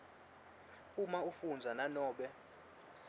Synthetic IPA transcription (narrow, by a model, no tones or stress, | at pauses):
umaufund͡zʱananɔːɓɛ